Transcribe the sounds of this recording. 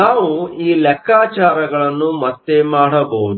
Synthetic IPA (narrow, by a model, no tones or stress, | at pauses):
aːʋuiːlɛkːaːt͡ʃaːɾɐɡɐɭɐnːumɐt̪ːemaːɽɐbɐud̪